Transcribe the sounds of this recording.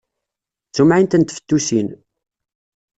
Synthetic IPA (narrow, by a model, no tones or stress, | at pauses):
t͡sːumʕint̪ənt̪fə̥t̪ːusin